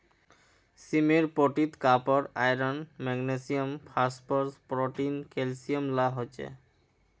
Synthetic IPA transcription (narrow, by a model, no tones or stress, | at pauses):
simeɾpoʈit̪kapoɾajɾanmɛɡnesiompʰaspoɾspɾoʈinkelsiomlaɦot͡ɕʰḛ